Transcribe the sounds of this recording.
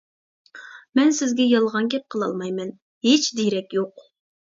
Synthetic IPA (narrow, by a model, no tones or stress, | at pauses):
mɛnsɪzɡʲɛjɑlˠʁɑnɡʲɛp̚qʰəlˠɑ̰lˠmɑjmɛn | het͡ʃd̪eɾɛkʲjoq